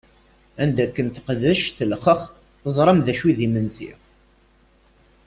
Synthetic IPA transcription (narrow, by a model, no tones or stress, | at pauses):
ænd̪ækːənθə̥qðəʃθəlχəχ | θəzˤɾˤəmðæʃwiðimənsḭ